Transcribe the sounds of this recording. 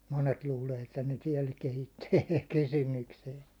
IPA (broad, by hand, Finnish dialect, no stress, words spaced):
monet luːleː etːæ ne tiɛl kehitːyː ei tuk kysymykseːŋkæː